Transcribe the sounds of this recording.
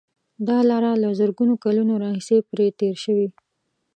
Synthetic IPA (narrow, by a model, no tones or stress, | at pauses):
d̪ɑlɑɾalazəɾɡunokalunoɾɑhisepɾet̪eɾʃəwi